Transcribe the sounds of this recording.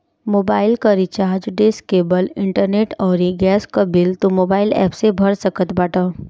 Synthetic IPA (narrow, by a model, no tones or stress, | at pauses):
moːbaːɪlkəɾit͡ʃaːɦd͡ʒɖeskebəlɪɳʈəɾneʈɔːɾiɡɛːskabɪlt̪omoːbaːɪlɛ̰psebʱəɽsəkət̪baːʈə